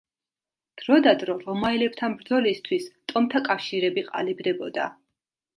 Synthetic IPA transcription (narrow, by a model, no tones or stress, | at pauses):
d̪̥ɾɔd̪ad̪ɾɔɾɔmailɛp̚t̪ʰanbɾd̪zɔlist̪ʰwist̪ʼɔmt̪ʰakʼafʃiɾɛbiqʼa̰libd̪ɛbɔd̪a̰